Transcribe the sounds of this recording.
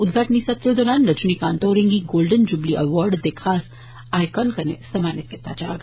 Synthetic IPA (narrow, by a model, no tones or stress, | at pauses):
ʊd̪̚ɡʱaːʈnisɐt̪ɾəd̪ɔːɾaːnɾɐt͡ʃnikaːnt̪oːɾɪ̃ŋɡiɡoːlɖənd͡ʒʊbliʔɐʋɔːɾɖd̪ekʰaːs | aːɪkɔːnkɐnḛsɐmaːnɪt̪ket̪a̰d͡ʒaːɡa